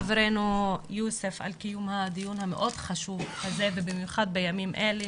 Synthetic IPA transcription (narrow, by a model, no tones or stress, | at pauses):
vɾenujusefʔa̰lkijumhad̪ijunhamḛʔo̞d̪χaʃuvħazevebimjuχad̪̚bejamimʔel